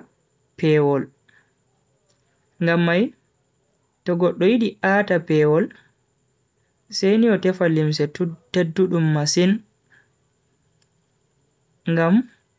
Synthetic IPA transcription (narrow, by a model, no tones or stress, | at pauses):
pʰɛwɔl | ŋɡamːaj | tɔɡɔɗːɔjiɗiʔaːtapɛwɔl | sejniɔtɛfalims̬ɛtedːuɗumːasin | ŋɡam